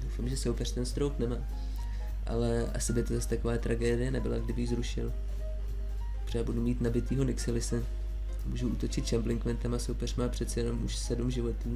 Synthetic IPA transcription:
dowfamʒɛsowpɛr̥t̪ɛnst̪ɾowknɛmaː | ʔa̰lɛʔa̰sɪbɪt̪o̞zast̪ako̞vaːt̪ɾʔaɡɛːdɪjɛnɛbɪla̰ɡdɪbɪjɪzɾuʃɪ̰l | pr̥aːbudumiːt̪nabɪt̪iːɦo̞nɪksɛlɪsɛ | muːʒuʔuːt̪o̞t͡ʃɪt̪ʃamblɪŋkmɛnt̪ɛmasowpɛr̝maːpr̝̥ɛt̪t͡sɛjɛno̞mʔṵʃsɛdumʒɪvo̞t̪uː

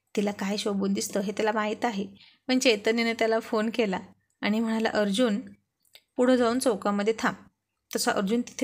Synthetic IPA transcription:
t̪ilakajɕəbund̪ist̪əɦet̪jalamaɦit̪aɦe | məɳt͡ɕet̪əninət̪jalafonkelaː | ɽ̃im̤əɽ̃ala̰ʔəɾd͡ʑuːn | puɽ̤əd͡zauːnt͡sokaməd̪ʱːjet̪ʰam | t̪əsaʔəɾd͡ʑuːnt̪i̥t̪ʰe

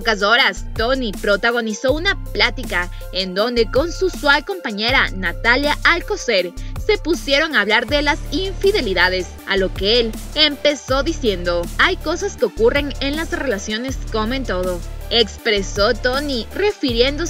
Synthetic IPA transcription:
okaso̞ɾast̪o̞nipɾo̞t̪aɣ̞o̞niso̞unaplat̪ika | end̪o̞nd̪e̞ko̞nsuswalko̞mpaɲe̞ɾanat̪aljaʔalko̞seɾse̞pusje̞ɾo̞ŋaβlaɾðe̞lasiɱfiðe̞liðaðe̞s | a̰lo̞keelempe̞so̞ðisje̞nd̪o̞ajko̞saske̞okure̞ŋenlasre̞lasjo̞ne̞sko̞moe̞nt̪o̞ðo̞ekspɾe̞so̞t̪o̞nire̞fiɾje̞nd̪o

